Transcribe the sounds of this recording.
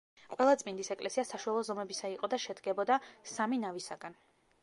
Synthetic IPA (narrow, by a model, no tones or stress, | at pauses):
qʼwɛlˠat̪sʼmind̪isɛkʼlɛsiasaʃualˠɔzɔmɛbisaiqʼɔd̪aʃɛd̪ɡɛbɔd̪asaminavisaɡ̥an